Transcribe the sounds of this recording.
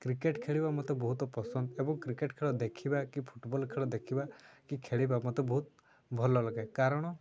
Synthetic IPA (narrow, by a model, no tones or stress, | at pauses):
kɾikeʈkʰeɭibamɔt̪ebɔɦut̪ɔpɔsɔnd̪ɔebɔŋkɾikeʈkʰeɭɔd̪ekʰibakipʰuʈbɔlkʰeɭɔd̪ekʰibakikʰeɭibamɔt̪ebɔɦut̪ | bʱɔlɔlɔɡajkaɾɔɽ̃ɔ